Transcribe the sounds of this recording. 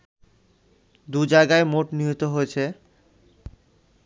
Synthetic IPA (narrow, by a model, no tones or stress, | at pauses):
d̪ud͡ʑajɡaemoʈniɦot̪oɦoet͡ɕʰe